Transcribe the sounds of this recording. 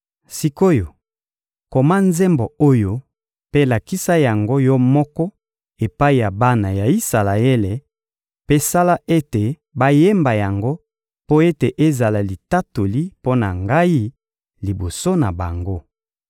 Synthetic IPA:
si˨ko˦jo˨ | ko˨ma˦nze˦mbo˨o˦jo˨ | pe˦la˨ki˦sa˦ja˨ŋɡo˦jɔ˦mɔ˦kɔ˦ | e˨pa˦i˨ja˨ba˦na˨ja˨i˦sa˨la˨e˦le˨ | pe˦sa˦la˦ʔe˦te˨ | ba˦je˦mba˨ja˨ŋɡo˦ | po˦e˦te˨ʔe˦za˨la˨li˨ta˦to˨li˦po˦na˨ŋɡa˦i˦ | li˨bo˨so˦na˨ba̰˨ŋɡo˦

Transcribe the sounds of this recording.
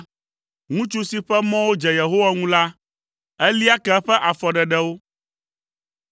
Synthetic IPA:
ŋũ˦t͡ʃu˦si˨ɸɛ˦mɔ̃˦wo˦d͡ʒɛ˨je˨ɦo˦wa˦ŋũ˦la˦ | ɛ˦li˦a˦kɛ˦ɸɛ˦ʔa˨fɔ˨ɖɛ˨ɖɛ˦wo˦

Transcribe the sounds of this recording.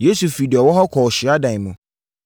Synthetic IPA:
je˨˦su˨fi˨dɪ˨ɛ˨wɔ˦ɦɔ˦kʰɔ˨ɕɪ˨˦a˦dã˨n˨mũ˨

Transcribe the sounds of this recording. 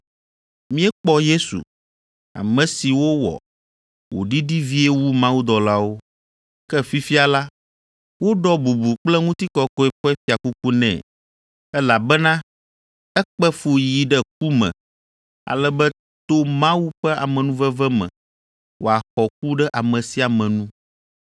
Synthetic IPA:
mĩ˦ɛ˦k͡pɔ˦je˦sṵ˨ | a̰˨mɛ̃˨si˨wo˦wɔ̰˨ | wo̰˨ɖi˦ɖi˦vi˦e˦wu˦mã˦wu˦d̪ɔ˨la˦wo˦ | kɛ˦fi˦fi˦a˨la˦ | wo˦ɖɔ˦bu˨bu˨k͡plɛ˦ŋũ˦t̪i˦kɔ˦kɔ˦ɛ˦ɸɛ˦ɛ˦fi˦a˨ku˦ku˦nɛ̰̃˨ | ɛ˦la˨bɛ˦nã˦ | ɛ˦k͡pɛ˦fo˨ji˨ɖɛ˦k̚u˦mɛ̰̃˨ | a̰˨lɛ˦bɛ˦ | t̪o˦mã˦wu˦ɸɛ˦a̰˨mɛ̃˨nũ˦vɛ˦vɛ˦mɛ̰̃˨ | wo˨a˨xɔ˨k̚u˦ɖɛ˦ʔa˨mɛ̃˨si˨a˨mɛ̃˨nũ˦

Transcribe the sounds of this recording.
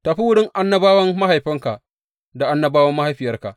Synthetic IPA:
ta˨ɸi˦wʊ˦ɽɪ˦ŋʔa˦nːɐ˦baː˦wɐ˦mːa˦ɦa˨jɸɪ˦ŋka˨ | da˨ʔa˦nːɐ˦baː˦wɐ˦mːa˦ha˦jɸɪ˨jɐ˦rka˨ʔ

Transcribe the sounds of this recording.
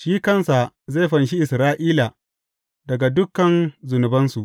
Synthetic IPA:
ʃiː˦kɐ˦˨nsa˨ | ze˦˨ɸɐ˨nʃi˦ʔɪ˨sɾaː˦ʔiː˦la˨ | dɐ˨ɡa˨dʊ˦kːɐ˨nzʊ˨nʊ˨bɐ˦nsu˨ʔ

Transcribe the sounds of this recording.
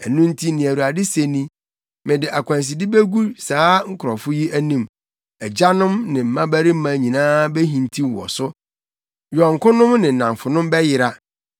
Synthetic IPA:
æ˨nũ˦n̩˦tʰi˦nɪ̃˨æ˨ɾu˨a˨dɪ˦se˦nĩ˦ | mɪ̃˨dɪ˨ʔa˨kʷʰã˨ns̬i˨dɪ˦be˦ɡu˦saː˨˦ŋ̩˦kʰʊ˨ɾɔ˨fʊ˦ji˦æ˦nĩ˦m | ɛ˨d͡ʑa˦nʊ̃˦mnɪ̃˨m̩˨mã˦bæ˦ɾi˦m̩˦mã˨ɲĩ˨nãː˦be˦ɦĩ˨ntʰi˦˨wɔ̰˨sʊ˦ | jɔ˨ŋ̩˨kʊ̃˦nʊ̃˦mnɪ̃˨nã˨ɱfʊ˨nʊ̃˦mbɛ˦jɪ˦˨ɾa˦

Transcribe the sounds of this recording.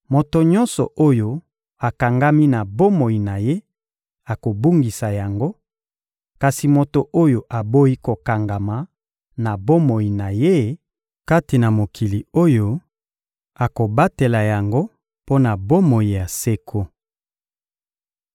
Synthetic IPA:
mo˨to˨ɲɔ̃˦nsɔ˨ʔo˦jo˦ | a˨ka˨ŋɡa˦mi˦na˨bo˦mo˨i˨na˨je˦ | a˨ko˨bu˦ŋɡi˨sa˨ja˨ŋɡo˦ | ka˨si˨mo˨to˨ʔo˦jo˨ʔa˨bo˦i˦ko˨ka˨ŋɡa˨ma˨ | na˨bo˦mo˨ji˨na˨je˦ | ka˦ti˨na˨mo˨kʰi˨li˨o˦jo˦ | a˨ko˨ba˦te˨la˨ja˨ŋɡo˦ | po˦na˨bo˦mo˨ji˨ja˨se˦kʰo˦

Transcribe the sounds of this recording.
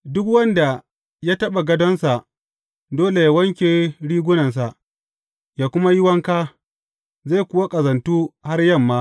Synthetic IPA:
dʊ˦kwɐ˦nda˨ | ja˦tɐ˦ɓa˨ɡɐ˦dɔ˦nsa˨ʔ | doː˦le˨jaː˦wɐ˦ŋkʲeː˨ɽiː˦ɡʷʊ˦nɐ˨ns̬a˨ʔ | jaː˦kʷʊ˦ma˦jɪ˦wɐ˦ŋkaː˦ | zaː˦˨kʷʊ˦wa˦kʼɐ˨zɐ˨ntuː˦ha˦rjɐ˦˨mːaː˦

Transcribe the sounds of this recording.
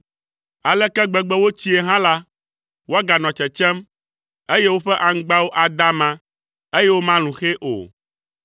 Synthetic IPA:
a˨lɛ˦kɛ˦ɡ͡bɛ˦ɡ͡bɛ˦wo˦t͡ɕi˦e˨ɦã˦la˦ | wo˦a˦ɡa˨nɔ̃˨t͡ʃɛ˨t͡ʃɛ˦m | e˦je˦wo˦ɸɛ˦ʔa˨ŋ̩˦ɡ͡ba˦wo˦ʔa˨d̪a˦mã˦ | e˦je˦wo˦mã˦lũ˨xe˦ʔo̰˨

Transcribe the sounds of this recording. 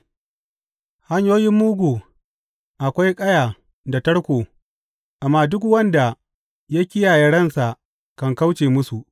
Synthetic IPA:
ha˦ɲjoː˦jɪ˦mːuː˦ɡʷuː˨ | ʔa˨kʷa˦jkʼɐ˦jaː˨ | da˨tɐ˦ɽkʷoː˨ | ʔa˨mːaː˦dʊ˦kwɐ˦nda˨ | ja˦kʲɪ˦jaː˨jɐ˨ɽɐ˦nsa˨ʔ | kɐ˨ŋka˦wt͡ʃeː˨mʊ˦su˨ʔ

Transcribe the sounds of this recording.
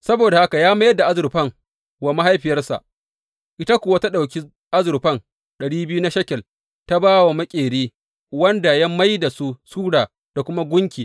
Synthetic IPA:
sɐ˦boː˨da˨ha˦ka˨jaː˦ma˦jɐ˦dːa˨ʔa˦zʊ˨ɾɸɐ˦˨ŋ | wa˨ma˦ɦa˦jɸɪ˨jɐ˦rsa̰˨ʔ | ʔɪ˦ta˦kʷʊ˨wa˦ta˦ɗa˨wkʲi˦ | ʔa˦zʊ˨ɾɸɐ˦ŋ | ɗɐ˨ɽiː˦bɪ˦ju˦na˦ʃɐ˦kʲɛ˨l | ta˦baː˦wa˨mɐ˦kʲʼeː˨ɽeː˦ | wɐ˦nda˨jɐ˦mːa˦jda˨su˦suː˦ɽaː˨ | d̥a˨kʷʊ˦ma˦ɡʷʊ˦ŋkʲiː˨

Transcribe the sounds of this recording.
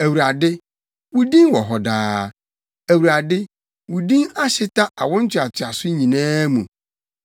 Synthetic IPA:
æ˨wu˨ɾa˨dɪ˦ | wu˨dĩ˦ŋwɔ˨ɦɔ˨daː˦ | æ˨wu˨ɾa˨dɪ˦ | wʊ˨dĩ˦ŋa˦ɕɪ˦ta˦ʔa̰˨wɔ̃˦n˦t͡ɕʰᶣɪ˨a˨tʰɪ˨a˨sʊ˦ɲĩ˨nãː˦mũ˨

